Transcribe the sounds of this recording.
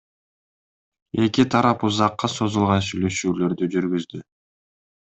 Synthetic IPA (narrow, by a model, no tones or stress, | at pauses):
e̞kit̪ʰɑɾɑpuzɑqːɑso̞zulˠʁɑnsyjlø̞ʃyːlø̞ɾd̪yd͡ʒyɾɡyzd̪y